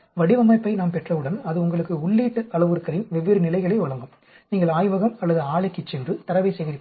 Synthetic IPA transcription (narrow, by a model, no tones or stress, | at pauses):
ʋɐɽɪʋɐmːɐːpːɐɪnaːmpɛʈrɐʋɯɽɐnɐðɯʊŋɡɐɭɯkːɯʊɭːiːʈːɯɐɭɐʋɯɾɯkːɐɭɪnʋɛʋːɪɾɯnɪlɐɪɣɐɭɐɪʋɐɭɐŋɡɯm | niːŋɡɐɭaːjʋɐɣɐmɐlːɐðɯaːɭɐɪkːɪt͡ʃːɪnrɯt̪ɐɾɐʋɐɪsɛjɣɪɾɪ